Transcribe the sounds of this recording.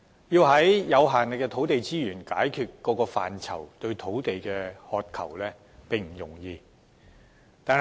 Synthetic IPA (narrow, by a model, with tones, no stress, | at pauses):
jiː˧wɦɐ˨˥jjɐ˨˧wɦaː˨˩nlɪ˨kːɛː˧t̪ʰo˨˥wt̪e˨jt͡siː˥jyː˨˩nkaː˨˥jkʰyː˧t̚kɔː˨˧˥kɔː˧fa̰ː˨˩nt͡sʰɐ̰˨˩wt̪ɵ˧ɥt̪ʰo˨˥wt̪e˨jkɛː˧hɔː˨˧t̚kʰɐ̰˨˩wlɛː˥ | pɪ˨˩ŋm̩˨˩jʊ˨˩ŋjiː˧ | t̪aː˨˧n